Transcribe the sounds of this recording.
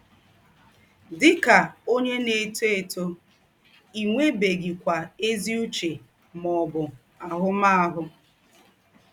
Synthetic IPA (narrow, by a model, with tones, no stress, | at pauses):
dɪ˦ka˨o˦ɲe˦ne˨te˨to˦ | i˨ŋʷe˦be˨ɡi˨kʷa˨e˦zi˦u˦t͡ʃe˨ | mɔ˨bʊ˨ | a˨ɦʊ˦ma˦a˦ɦʊ˦